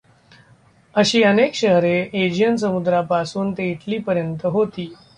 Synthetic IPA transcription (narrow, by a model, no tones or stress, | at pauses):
əɕiːənekɕəɦɾeed͡ʑijənsəmud̪ɾapasuːnt̪eit̪ʰliːpəɾjənt̪əɦot̪iː